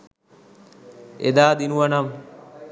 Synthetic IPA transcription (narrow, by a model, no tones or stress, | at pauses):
ḛd̪aːd̪inuʋanam